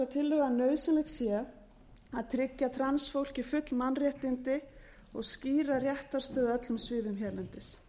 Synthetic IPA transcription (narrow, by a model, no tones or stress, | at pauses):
at̪ʰɪlːʏɣanœːɥsʏnlɪht̪sjɛ | aðt̪ʰɾɪcːat̪ʰɾansfowl̥cɪfʏt̪lmanrjɛht̪ɪnt̪ɪ | ɔɣsciːɾarjɛht̪aɾst̪œːðʏœt̪lʏmsvɪːðʏmçɛɾlɛnt̪ɪs